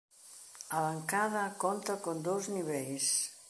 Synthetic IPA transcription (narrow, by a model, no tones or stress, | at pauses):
aβaŋkaðakont̪akond̪owzniβɛʎs